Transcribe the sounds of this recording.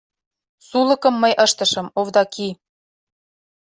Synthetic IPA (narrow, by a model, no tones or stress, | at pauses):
sulˠɤ̆kɤ̆mːɤjʔɤ̆ʃt̪ɤ̆ʃɤ̆movd̪ɑkʰi